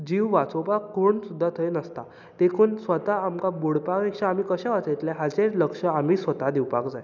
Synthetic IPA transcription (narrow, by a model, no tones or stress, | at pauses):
d͡ʑiʋʋat͡sopakːoɳsud̪ʱːat̪ʰəjnəst̪a | t̪ekʰuːnsʋət̪aːmkabuɽpakekʂaam̤iːkəɕɛ̃ʋat͡səjt̪lɛɦad͡zeləkʂəamiːsʋət̪ad̪iwpakd͡zaj